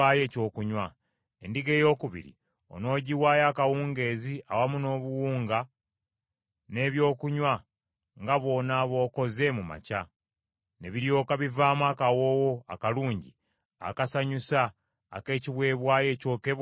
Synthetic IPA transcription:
aːje̞ːco̞ːkuɲwa | endiɡe̞ːjo̞ːkuβḭɾḭ | o̞̰no̞ːɟiwaːjaːkawuːŋɡe̞ːziʔa̰wamuno̞ːβuwuːŋɡa | ne̞βjo̞ːkuɲwa | ŋɡaβo̞ːnaβo̞ːko̞ze̞muma̰ca | ne̞βiɾjo̞ːkaβivaːmwakawo̞woa̰kaluːɲɟḭ | a̰kasaɲusa̰ː | ke̞ːciβwe̞ːβwaːje̞ːco̞ːke̞β

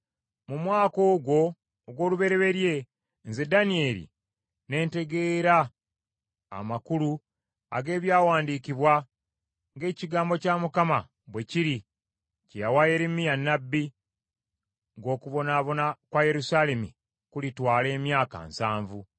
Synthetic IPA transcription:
mumwaːko̞ːɡwo̞ː | ɡwo̞ːluβe̞ɾe̞βe̞ɾje̞ | nze̞danie̞lḭ | ne̞ːnte̞ɡe̞ːɾa | makulu | a̰ɡe̞ːβjaːwaːndikiβwa | ŋɡe̞ːciɡaːmbo̞caːmukama | bwe̞ciɾi | cejawaje̞ɾimijanːabːi | ŋɡo̞ːkuβo̞naːβo̞nakwaje̞ɾusale̞mḭ | kulitwaːle̞ːmjaːka̰nsaːɱvu

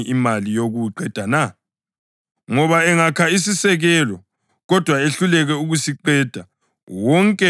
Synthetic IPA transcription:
ʔimalijoɣuǃɛd̥ʱana | ŋɔβaɛŋakʰais̬isɛɣɛlɔ | ɣɔd̥ʱwaeɬulɛɣɛuɣusiǃɛd̥ʱa | wɔŋkʼɛ

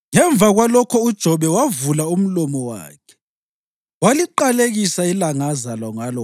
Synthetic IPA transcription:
ŋɛɱb̪vʱaɣwalɔkʰɔud̥ʒ̥ʱɔβɛwavulaum̩lɔmɔwa̰ːkʰɛ̥ | waliǃaleɣisailaŋazalɔŋalɔ

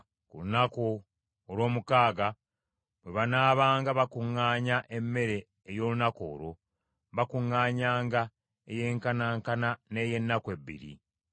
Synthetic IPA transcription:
kulunako | olwo̞ːmukaːɡa | βwe̞βanaːβaːŋɡaβakuŋːaːɲaʔe̞mːe̞ɾe̞ː | jo̞ːlunako̞̰ːɾo̞ | βakuŋːaːɲaːŋɡa | eje̞ːŋkanaːŋkanane̞ːje̞nːakwe̞bḭɾḭ

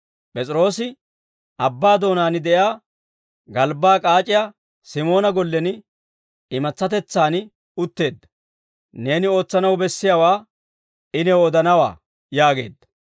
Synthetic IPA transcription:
pʼɛt͡sʼɪɾo̞ːsɪ | ʔɐbːaːd̪o̞ːnaːnɪd̪ɛʔjaː | ɡɐlbaːkʼaːt͡ʃʼɪja | sɪmo̞ːnɐɡɔlːɛn | ɪmɐt͡sːɐt̪ɛt͡sːaːn | ʊt̪ːe̞ːd̪ːɐ̥ | ne̞ːnɪo̞ːt͡sːɐnɐwbɛsːɪjawaː | ɪnɛwɔd̪ɐnɐwa̰ː | jaːɡe̞̰ːd̪ːɐ̥

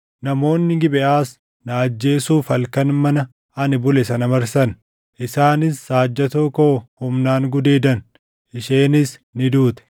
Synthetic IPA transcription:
nɐmo̞ːnːɪɡɪbɛʔaːs | nɐɐd͡ʒːe̞ːsuːfɐlkɐnmɐnɐ | ɐnɪbʊlɛsɐnɐmɐɾsɐn | ʔɪsaːnɪsːaːd͡ʒːɐt̪okoːhʊmnaːŋɡʊd̪eːd̪ɐn | ʔɪʃeːnɪsnɪd̪uːt̪ɛ̥

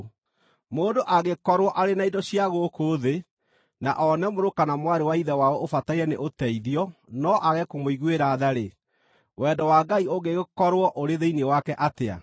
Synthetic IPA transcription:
moːdoʔaɣekɔɾwɔʔaɾenaidɔɕiaɣokoðe | na̰ʔɔnɛmoɾokanamwaɾewaiðɛwaɔofataiɛnḛʔotɛiðiɔnɔʔaɣɛkomoiɣweɾaːðaɾe | wɛdɔwaɡaioɡeɣokɔɾwɔʔoɾeðeinewakɛʔatea̰

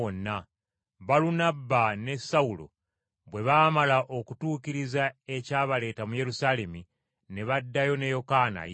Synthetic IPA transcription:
onːa | βalunabːane̞saulo̰ | βwe̞βaːmalaʔo̞kutuːciɾizae̞caːβale̞ːtamuje̞ɾusale̞mi | ne̞βadːajo̞ne̞jo̞kana̰

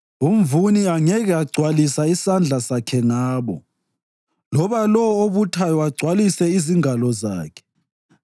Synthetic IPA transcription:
umvuniaŋɛɣɛaɡ͡ǀʱwalisaisand͡ɮʱasakʰɛŋaːβɔ | lɔβalɔwoβutʰajɔaɡ͡ǀʱwalisɛiziŋalɔza̰ːkʰɛ̥

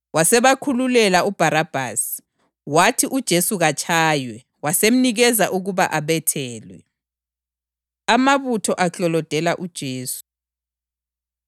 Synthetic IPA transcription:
wasɛβakʰululɛlaub̥ʱaɾab̥ʱa̰ːsi̥ | watʰiʔud̥ʒ̥ʱesuɣat͡ʃʰʼaːjwɛ | wasem̩niɣɛzaʔuɣuβaʔaβɛtʰɛːlwɛ̰ | amaβutʰɔʔaɬɔlɔd̥ʱɛlaʔud̥ʒ̥ʱeːsu̥

